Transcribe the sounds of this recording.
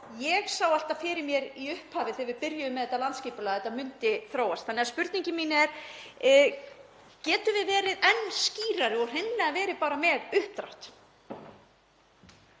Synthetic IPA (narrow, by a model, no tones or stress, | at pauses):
jɛɣsawalt̪afɪɾɪɾmjɛɾiʏhphaːvɪθɪvɪpɪɾjʏʏmɛðɛt̪alant̪sciːpʏlaːðɛt̪ːamʏnt̪ɪθɾoːwast̪θanːɛaspʏɾt̪niɲcɪmiːnɪɛɾ̥ | cɛːt̪ʏvɪðvɛːɾɪðɛnːsciːɾaɾɪɔr̥ɪnlɪavɛːɾɪpaːɾamɛːɣʏhp̚t̪ɾa̰wht̪